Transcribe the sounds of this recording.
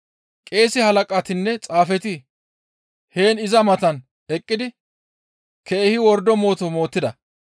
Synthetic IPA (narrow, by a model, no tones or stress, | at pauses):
kʼe̞ːsɪhɐlɐkʼɐt̪ɪnːɛt͡sʼaːfɛt̪ɪ | he̞ːnɪzɐmɐt̪ɐn | ɛkʼːɪd̪ɪ | kʰɛʔɛhɪwɔɾd̪ɔmo̞ːt̪ɔmo̞ːt̪ːɪd̪ɐ